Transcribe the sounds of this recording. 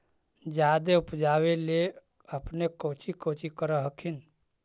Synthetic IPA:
d͡ʒad̪eupd͡ʒaːwele | əpnekot͡ʃikoːt͡ʃikəɾəɦəkʰin

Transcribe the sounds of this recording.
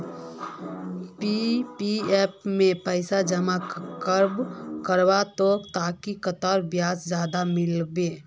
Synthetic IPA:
pipiɛːpmẽpəɪsad͡ʒəmakkəɾbkəɾwat̪ot̪aːkikət̪ɔːɾbjaːsd͡ʒjaːd̪amɪlbeː

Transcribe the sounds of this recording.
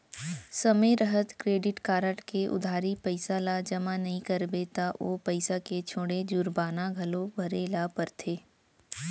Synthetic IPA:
sɐmeɾɐɦət̪kɾeːɖɪʈkaːɾəʈkeʔʊ̰d̪ʱaːɾipəɪsalad͡ʒɐmanɐɦĩkɐɾbet̪aʔoːpɐɪsaket͡ʃʰoːɽed͡ʒʊɾbaːnaɡʱɐlobʱɐɾelaːpɐɾt̪ʰeː

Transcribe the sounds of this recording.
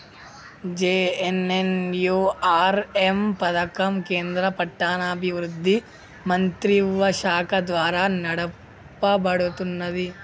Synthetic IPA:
d͡ʒeːenenjuːaːɾempɐd̪ɐkɐmkeːnd̪ɾɐpɐʈːaːnaːbʱiʋɾud̪ʱːi | mɐnt̪ɾiʋʋɐʃaːkɐd̪ʋaːɾaːnɐɽɐ | pːɐbɐɽut̪unːɐd̪i

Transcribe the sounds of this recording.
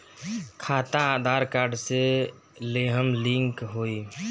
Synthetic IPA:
kʰat̪aːd̪ʱaɾkaɾɖse | leɦəmlĩŋkɦoi

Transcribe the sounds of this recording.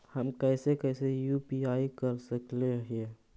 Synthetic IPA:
həmkɛːsekɛɪsejuːpiaːikəɾsəkleɦe

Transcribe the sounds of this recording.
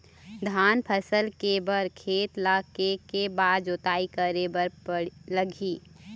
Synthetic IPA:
d̪ʱaːnpʰəsəlkebəɾkʰeːt̪lakekebaːd̪d͡ʒoːt̪aːikəɾebəɾələɡʱiː

